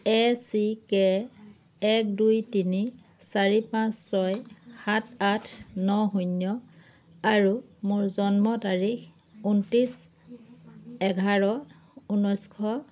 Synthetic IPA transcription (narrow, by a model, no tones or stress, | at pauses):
ɛsikɛː | k̚dujtini | saɹipãsːɔjhatʰatʰnɔɦunːjɔ | aɹumʊɹzɔnmɔtaɹix | untis | ɛɡʱaɹɔ | unɔjskʰɔ